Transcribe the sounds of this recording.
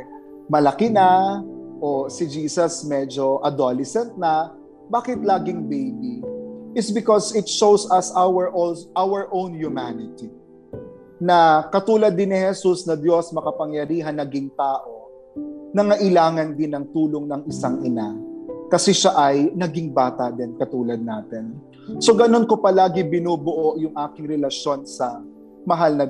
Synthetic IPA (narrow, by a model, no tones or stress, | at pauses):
mɐlɐkɪnɐʔosɪd͡ʒiːsɐsmɛd͡ʒo̞ʔɐd̪olɛsɛnt̪̚nɐ | baːkɪt̪̚laːɡɪŋbejbiʔɪsbɪkosɪt̪ʃowsɐsawɛɹʔoʔawəɹʔõwnjʊmanɪt̪i | nɐkɐt̪uːlɐd̪ːɪnːɪhɛsusnɐd̪jo̞smɐkɐpɐŋjɐɾiːɦɐnːɐɡiŋt̪aːʔo̞ | nɐŋɐʔɪlaːŋɐnd̪ɪnɐŋt̪uːlo̞ŋnɐŋɪsaŋʔɪnakɐsɛʃaʔɐjnɐɡiŋbaːt̪ɐd̪ɪnkɐt̪uːlɐd̪̚naːt̪ɛn | so̞ɡɐno̞nko̞pɐlaːɡɪbɪnuːbʊʔo̞ʔjʊŋʔaːkɪŋɾɛlɐʃjo̞nsɐ | mɐɦalnɐ